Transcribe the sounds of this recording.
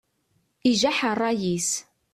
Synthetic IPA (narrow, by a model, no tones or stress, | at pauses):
iʒaħərˤːɑjis